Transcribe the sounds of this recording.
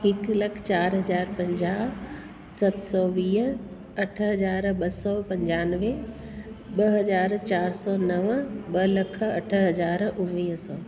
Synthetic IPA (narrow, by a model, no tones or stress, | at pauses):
ɦɪklɐkʰt͡ɕaːɾɦɐzaːɾpɐ̃ɲd͡ʑaː | sɐt̪sɔːʋiːɦ | ɐʈʰɦɐzaːɾɓɐsɔpɐ̃ɲd͡ʑaːnʋe | ɓɐɦɐzaːɾt͡ɕaːɾsɔːnɐʋɓɐlɐkʰɐʈʰə̆ɦɐzaːɾʊ̃nʋiːɦsɔː